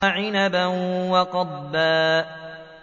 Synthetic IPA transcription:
ʕɪnabanwɑqɑd̪ˤːaː

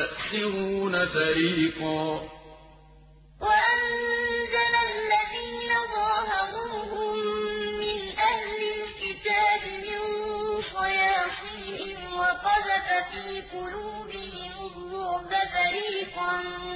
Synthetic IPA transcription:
aʔsɪɾuːnafaɾiːqɑː | waʔanzalalːaðiːnaðˤɑːɦɑɾuːhʊmːɪnʔahlɪlkɪt̪aːbɪmɪnsˤɑjaːsiːhɪmwɑqɑlafafiːqʊluːbɪhɪmʊrˤːʊʕbafaɾiːqɑn

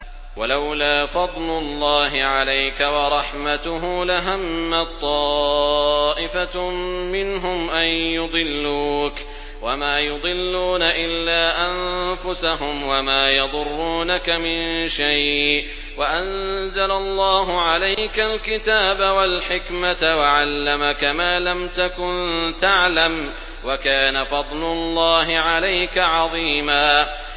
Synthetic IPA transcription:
walawlaːfɑd̪ˤlʊlˤːɑːɦɪʕalajkawɑɾˤɑħmat̪ʊɦʊlaɦamːat̪ˤːɑː | ʔɪfamɪnɦʊmʔanjʊd̪ˤɨlːuːk | wamaːjʊd̪ˤɨlːuːnaʔɪlːaːʔanfʊsaɦʊmwamaːjɑd̪ˤʊrˤːuːnakamɪnʃajʔ | waʔanzalalˤːɑːɦʊʕalajkalkɪt̪aːbawalħɪkmat̪waʕalːamakamaːlamt̪akʊnt̪aʕlam | wakaːnafɑd̪ˤlʊlˤːɑːɦɪʕalajkaʕɑðˤiːmaː

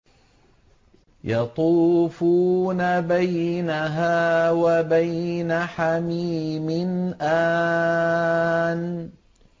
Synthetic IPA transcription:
jɑt̪ˤuːfuːnabajnaɦaːwabajnaħamiːmɪnʔaː | n

